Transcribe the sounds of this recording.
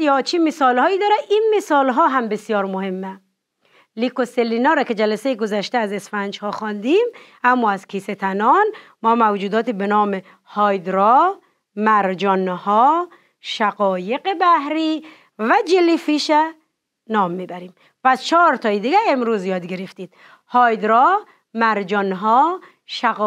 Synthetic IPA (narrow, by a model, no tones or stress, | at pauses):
jɒt͡ʃʰimesɔːlhɒːid̪ɒɾæinmesɒːlɦɔːɦæmbesijɒːɾmohemːæ | likoselːinɔːɾɔked͡ʒælæsejeɡozæʃt̪eæzesfænd͡ʒhɔːxɔːnd̪im | æmːɔːæzkʰiːset̪ʰænɒn | mɔːmæwd͡ʒuːd̪ɒːt̪ʰibenɔːme | hɒjd̪ɾɔ | mæɾd͡ʒɔnhɔː | ʃæɣɔːjeqebæhɾiː | væd͡ʒelifiʃæ | nɒːmːiːbæɾiːm | pæst͡ʃʰɒːɾt̪ʰɒːid̪iɡæemɾuːzjɒːd̪ɡeɾeft̪iːd̪̥̚ | hɒːjd̪ɾɔ | mæɾd͡ʒɔnɦɔː | ʃæ